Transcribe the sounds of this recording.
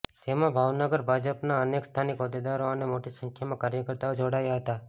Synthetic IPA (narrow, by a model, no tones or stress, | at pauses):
t̪emãbʱaʋnəɡəɾbʱad͡ʒəpnaənekst̪ʰanikod̪ed̪aɾoənemoʈisəŋkʰjamãkaɾjəkəɾt̪aod͡ʒoɽajaɦət̪a